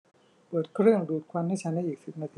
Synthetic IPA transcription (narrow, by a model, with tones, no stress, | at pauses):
pɤː˨˩t̪̚kʰɾɯ˥˩əŋduː˨˩t̪̚kʰwa˧nha˥˩jt͡ɕʰa˦˥nda˥˩jʔiː˨˩k̚si˨˩p̚na˧t̪ʰi˧